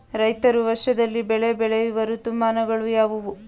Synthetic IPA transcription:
ɾɐjt̪ɐɾuʋɐɾʃɐd̪ɐlːibɛɭebɛɭejuʋɐɾut̪ːumːaːnɐɡɐɭujaːʋuʋu

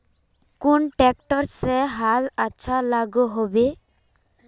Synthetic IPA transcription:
kunʈɛk̚ʈɔɾseɦalaːʃʰalaɡuɦobe

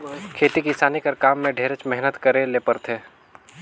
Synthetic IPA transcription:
kʰeːt̪ikisaːnikəɾkaːmːẽɖʱeːɾet͡ʃmɛɦnət̪kəɾẽleːpəɾt̪ʰeː

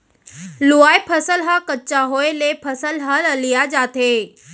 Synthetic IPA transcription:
luaːepʰəsəlɦakət͡ɕaɦoːelepʰɐsəlɦaləlijad͡ʑaːt̪ʰeː

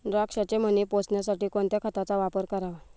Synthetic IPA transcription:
ɾakʂat͡ɕem̤ənipot͡sɳjasaʈiːkoɳt̪jakʰət̪at͡saʋapəɾkəɾaʋ

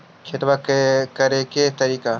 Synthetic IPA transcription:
kʰeʈ̪ʋakkɐɾeket̪ɐɾiːka

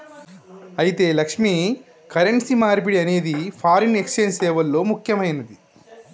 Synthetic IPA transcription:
ɐjit̪e̞ːlɐkʂmi | kɐɾeɳʈsimaːɾip̬iɽiɐne̞ːd̪ipʰaːɾine̞kst͡ʃeːnsɛːʋɐlːo̞ːmukʰjɐmɐjnɐd̪i

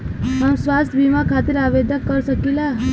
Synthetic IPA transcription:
ɦəmsʋast̪ʰbimakʰat̪iɾaʋed̪jəkəɾsəkila

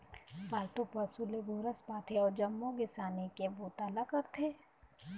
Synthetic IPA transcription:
baːɾt̪upɐsuleɡuːɾəspaːt̪ʰeɔːɾd͡ʒɐmːoɡɪsaːnekeboːt̪alakɐɾt̪ʰeː

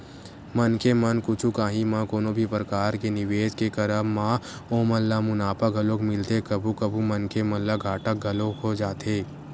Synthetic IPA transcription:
mənkemɐnkʊt͡ʃʰukaːɦimãkoːnõbʱipɾəkaːɾkenɪʋeːd͡ʒkekəɾəmãːoːməlːamʊnaːpəɡʱəlokmɪlt̪ekɐbʱukɐbʱumɐnkemɐlːaɡʱaːʈək̚ɡʱɐlokod͡ʒaːt̪eː

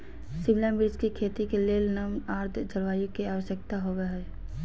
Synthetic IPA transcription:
sɪmlambɪɾd͡ʒkikʰeːt̪ikeleːlnamaːɾt̪ʰd͡ʒʱəɾʋaːjokiaːʋəʃjək̚t̪aɦoʋeɦɛː

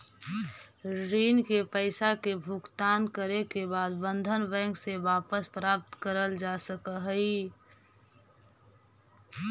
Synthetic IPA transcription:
ɾiːnkepəɪsakebʱʊkt̪aːnkəɾekebaːd̪bə̃nd̪ʱənbɛ̃ːŋkseʋaːpəspɾaːp̚t̪kəɾəld͡ʒasəkəɦəi

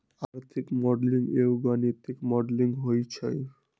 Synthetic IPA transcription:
aɾt̪ʰikmɔɖliŋewɡanit̪ʰikmɔɖliŋɦojt͡ɕʰej

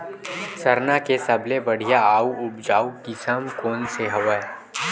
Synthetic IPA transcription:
sɐɾnakesɐblebɐɽ̤ijaaːuʊbd͡ʒaːukɪsəmkoːnseɦɐʋə

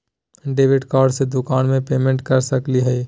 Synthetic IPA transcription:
ɖeːʋɪɖkaːɾɖsed̪ʊkaːnmẽpeːmẽɳʈkəɾsəkliɦɛi

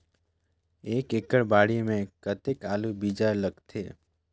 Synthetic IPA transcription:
ekekəɭbaɽimẽkət̪ekalubid͡ʒaləkt̪ʰḛ

